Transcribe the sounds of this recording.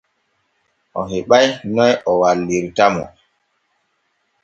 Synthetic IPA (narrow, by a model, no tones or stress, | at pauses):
ʔɔɦeɓajnɔjɔwalːiɾtamɔ̰